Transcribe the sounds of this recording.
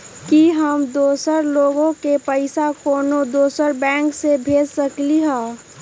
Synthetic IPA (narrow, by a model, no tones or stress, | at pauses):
kiɦəmd̪oːsəɾloːɡõkepəɪsakoːnod̪oːsəɾbɛ̃ːŋksebʱeːd͡ʒsəkliɦɛ̃ː